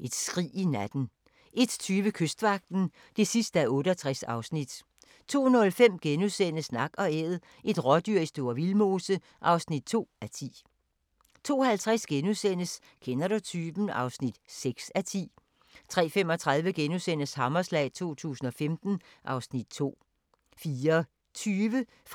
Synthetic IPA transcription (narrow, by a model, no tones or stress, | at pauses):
ʔe̝d̥sɡ̥ʁḭːinæd̥n̩ | ʔe̝d̥t͡sʰyːʋəkʰøsd̥ʋɑ̈ɡ̥̚d̥n̩ | d̥e̝sisd̥əæʔɔ̽ːɾəɒt͡sʰʁasɑ̈ʊsnid̥ | t͡sʰo̝̰ːnɔ̽lfem̰ɡ̥enuðˠsen̰əsnɑ̈ɡ̥ɒ̽eð̞̩ˠ | ʔe̝d̥ʁɒd̥yɐisd̥o̝ːɐ̰ʋilmo̝ːsə | ʔɑ̈ʊsnid̥̚t͡sʰo̝̰ːæt͡sʰḭː | t͡sʰo̝̰ːhælt͡sʰʁasɡ̥enusen̰əs | kʰenɐɾ̥ut͡sʰyːb̥n̩ɑ̈ʊsnid̥seɡ̥sæt͡sʰḭː | t͡sʰʁɛ̰ːfem̰ɒ̽t͡sʰʁɑ̈ð̞ˠʋəɡ̥enusen̰əshɑ̈mɐslɛ̰ːt͡sʰo̝̰ːt͡sʰṵːsn̩ɒ̽femd̥n̩ | ʔɑ̈ʊsnid̥̚t͡sʰo̝̰ː | fiːɐ | t͡sʰyːʋə